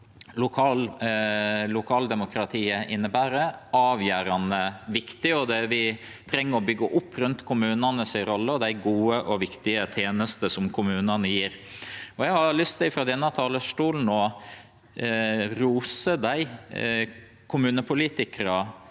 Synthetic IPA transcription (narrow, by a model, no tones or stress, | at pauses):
lʊkʰɑːl | lʊkʰɑːld̪ɛmʊkɾɑt̪ʰiːəʔɪnːəbæːɾəɑːʋjæːɾɑnəʋɪkt̪ɪɔd̪ɛʋɪ | t̪ʰɾɛŋːəɾɔbʏɡːəʔʊpːɾʉnt̪kʰʊmʉːnɑnəsɪɾɔlːəɔd̪æɪɡuːəʔɔʋɪkt̪ɪət̪ʰeːnəst̪əsɔmkʰʊmʉːnɑnəjiːɾɔjɛhɑɾlʏst̪ɛɪfɾɑːd̪ɛnːɑt̪ʰɑːləʂʈuːln̩ɔ | ɾuːsəd̪æɪ | kʰʊmʉːnəpʰʊliːt̪ɪkəɾɑ